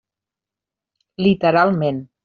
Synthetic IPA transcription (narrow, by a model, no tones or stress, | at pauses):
lit̪əɾalˠmẽn